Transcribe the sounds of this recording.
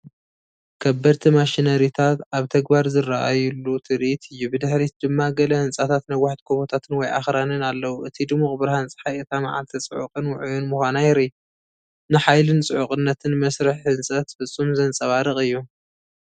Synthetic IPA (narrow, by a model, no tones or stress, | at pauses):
kʰɐbːɐɾt̪ʰimaʃinɐɾit̪ʰat̪aβt̪ʰɐɡbaɾzɨrːaʔajulːut̪ʰɨɾʔit̪ʰɨjːubɨd̪ɨħɾit̪d̪̥ɨmːaɡɐlɐhɨnt͡sʼat̪ʰat̪nɐwːaħt̪kʰoβot̪ʰat̪ʰɨnwɔjʔa̰xɾanɨnalːɐwuʔɨt̪ʰid̪ɨmuχʼbɨɾhant͡sʼɨ̥ħajɨt̪ʰamaʕa̰lt̪ʰit͡sʼɨʕuqʼɨnwʊʕujunmuxʷanajɪɾi | nɨħajlɨnt͡sʼɨʕukʼɨnːɐt̪ʰɨnmɐsɾɨħhɨnsʼɐt̪fɨt͡sʼːumzɐnt͡sʼɐβaɾɨχʼɨjːu